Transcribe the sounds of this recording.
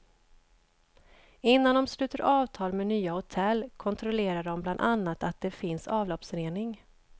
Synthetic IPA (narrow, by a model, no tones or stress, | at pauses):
ɪnːand̪ɔmslʉ̟ːt̪əɾʔɑːvt̪ʰɑːlmɛnyːahʊt̪ʰɛlːkʰɔnt̪ʰɾɔleːɾaɖɔmbland̪anːat̪at̪̚d̪̥ɛfɪnsɑːvlɔpsœɾeːnɪŋ